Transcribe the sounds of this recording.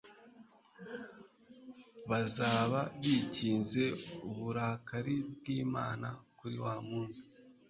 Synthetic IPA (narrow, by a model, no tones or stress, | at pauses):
βazaːβaβiciːnze̞uβuɾaːkaɾibɡiːma̰ːna̰kuɾiwaːmuːnsi̥